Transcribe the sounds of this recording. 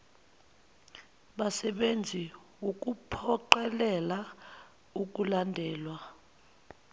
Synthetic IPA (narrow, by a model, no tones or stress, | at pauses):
ɓasɛɓend͡zʱi | wuk̬ʼupʰɔǃɛlɛla | uk̬ʼulandʱɛːlwa